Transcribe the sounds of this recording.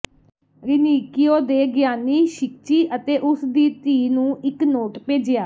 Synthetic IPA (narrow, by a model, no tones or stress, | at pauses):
ɾɪniːkɪjoːd̪eːɡɪjaːnːiːʃɪk̚t͡ʃiːʔət̪eːʔʊsd̪iːt̪iːnũːʔɪknoːʈpeːd͡ʒɪjaː